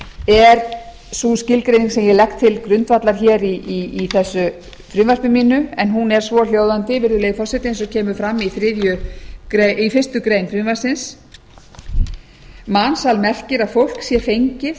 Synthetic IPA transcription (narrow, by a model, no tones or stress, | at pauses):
ɛɾ | suscɪlkɾejniŋsɛmjɛlɛxkt̪ʰɪlkɾʏnt̪vat̪laɾ̥çɛːɾiiːθɛsːʏ | fɾyːnvar̥pɪmiːnʏɛnɦunɛɾ̥svɔl̥joːwðant̪ɪvɪɾðʏleːjfɔr̥sɛt̪ɪens̬ɔcʰɛːmʏfɾamːiθɾɪðjʏkɾeifɪst̪ʏkɾejnfɾiːnvar̥sɪns | mansalmɛr̥cɪɾaðfowl̥ksjɛɾfejɲcɪθ